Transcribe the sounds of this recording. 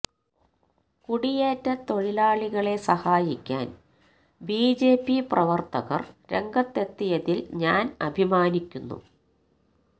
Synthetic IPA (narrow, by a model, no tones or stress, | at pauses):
kuɽijeːtːɐt̪o̞ɻilaːɭiɣɐɭe̞sɐhaːjikʲːa̰ːn | biːd͡ʑe̞ːpːiprɐʋɐrt̪ɐɣɐ̰rɾe̞ŋɡɐt̪ːe̞t̪ːijɐðilɲaːnɐbʱimaːnikʲːunːṵ